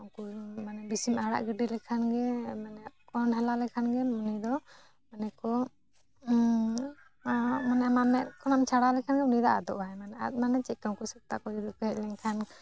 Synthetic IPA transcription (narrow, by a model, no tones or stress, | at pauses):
ɔŋkumanɛbisimaɽa̰ʔɡəɖilɛkʰanɡɛmanɛkɔnɦɛlalɛkʰanɡɛmunid̪ɔ | manɛkɔ | mɔnɛmanɛʔkʰɔnamt͡ʃʰaɽalɛkʰanɡɛmunid̪aʔa̰d̪ɔʔajmanɛa̰t̪̚ˀmanɛt͡ʃɛc̚kawkusak̚t̪akɔd͡ʒid̪ɔkɔhɛc̚lɛŋkʰan